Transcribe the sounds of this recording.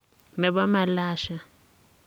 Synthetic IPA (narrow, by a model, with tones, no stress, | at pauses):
mɛ˨βa˦ma˨laː˦ʃa˨